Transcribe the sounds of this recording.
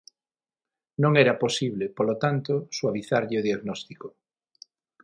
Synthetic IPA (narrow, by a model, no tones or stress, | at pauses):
nõŋɛɾɐposiβlepolot̪ant̪oswaβiθaɾʎɪoðiaɣnɔst̪iko